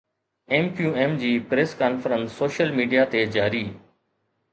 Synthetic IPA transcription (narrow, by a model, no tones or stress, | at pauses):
eːmpjuːeːmd͡ʑiːpɾeːskaːnfəɾənsːoːʃəlmiːɖijat̪ed͡ʑaːɾiː